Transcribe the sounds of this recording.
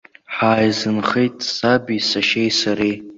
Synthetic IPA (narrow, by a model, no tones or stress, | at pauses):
ħaːjzɨnχejtʼsabisaʃejsaɾej